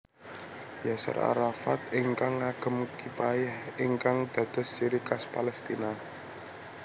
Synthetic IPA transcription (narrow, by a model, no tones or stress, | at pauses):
jasa̰ɾa̰ɾafat̪ɪŋkaŋːaɡ̥ə̤mkipajɛhiŋkaŋd̪̥a̤d̪̥ə̤st͡ʃiɾikaspalɛst̪ina